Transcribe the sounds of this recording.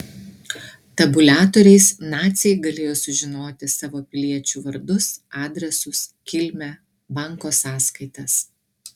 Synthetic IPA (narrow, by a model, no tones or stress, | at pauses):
t̪ɐbʊlʲæːt̪oːɾʲɛɪsnɑːt̪sʲɛɪɡɐlʲeːjoːsʊʒʲɪnoːt̪ʲɪsɑːʋoːpʲɪlʲiɛt͡ʃʲuːʋɐɾd̪ʊsɑːd̪ʲɾʲɛsʊskʲɪlʲmʲɛ | bɑˑŋkoːsɑːskɐɪt̪ɐs